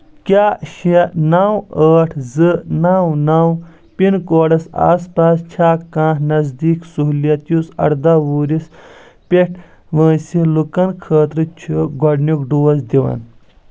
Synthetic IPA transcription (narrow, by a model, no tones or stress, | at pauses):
kʲaːɕenaːwəːʈʰzɨnaːwnaːw | pinkoːɽɐsa̰ːspaːst͡ʃʰaːkãːɦnɐzd̪iːksuɦlijɐt̪jusɐ̰ɽd̪aːʋuːɾis | pʲeʈʰ | ʋə̃ːsilukɐnkʰəːt̪ɾɨt͡ʃʰuɡɐɖnuk̚ɖuːɐsd̪iʋɐ̰n